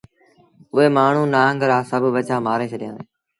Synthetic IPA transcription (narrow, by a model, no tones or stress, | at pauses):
ʊɦeːmaːɳ̤ũːnaːŋɡɾaːsəbʱʋət͡ʃaːmaːɾẽːt͡ʃʰəɗɪjã̰ː